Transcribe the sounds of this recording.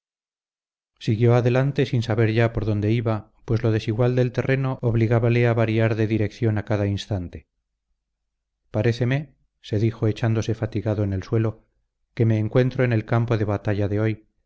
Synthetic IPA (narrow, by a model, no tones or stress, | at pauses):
siɣjo̞aðe̞lant̪e̞sinsaβe̞ɾʝapo̞ɾðo̞nd̪e̞iβa | pwe̞zlo̞ðe̞siɣwald̪e̞lt̪e̞rʔenooβliɣaβaleaβaɾiaɾðe̞ðiɾe̞kθjo̞nakaðainst̪ant̪e̞̥ | paɾe̞θe̞me̞ | se̞ðixo̞e̞t͡ʃand̪ose̞fat̪iɣaðoene̞lswe̞lo̞ | ke̞me̞ːŋkwe̞nt̪ɾo̞ene̞lkampo̞ðe̞βat̪aʎaðe̞o̞j